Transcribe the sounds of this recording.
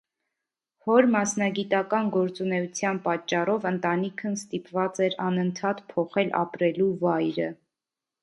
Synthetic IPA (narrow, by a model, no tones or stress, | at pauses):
hɔɾmɑsnɑɡit̪ɑkɑnɡɔɾt͡sunɛut͡sʰjɑnpɑt͡ʃːɑrɔvənt̪ɑnikʰənst̪ipvɑt͡sɛɾɑnənt̪ʰɑt̪pʰɔχɛlʔɑ̰pɾɛluvɑjɾə